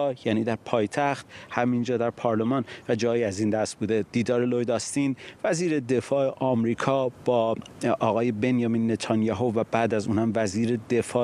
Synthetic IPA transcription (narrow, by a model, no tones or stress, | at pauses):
jæːniːd̪æɾpʰɒːjt̪ʰæxt̪hæmind͡ʒɒːd̪æɾpʰɒɾle̞mɒːnvæd͡ʒɒːjiæziːnd̪æst̪̚buːd̪e̞d̪̥iːd̪ɒːɾelojd̪ɒst̪iːnvæziːɾe̞d̪efɒːeʔɒːmɾiːkʰɒːb̥ɒːʔɒːɣɒːje̞be̞njɒmiːnːe̞t̪ʰɒnjɒːɦovæbæːd̪æzṵːnhæmvæziːɾed̪e̞fɒː